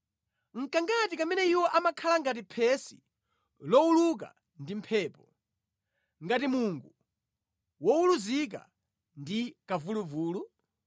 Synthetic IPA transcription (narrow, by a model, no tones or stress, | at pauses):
ŋ̩kaŋɡatikamɛnɛiwɔʔamakʰalaŋɡat̬ipʰɛsḭ | lɔuluk̬a̰ | ndim̩pʰɛːpɔ | ŋɡatimuŋɡu | wɔuluzik̬a̰ | ndikavuluvuːlu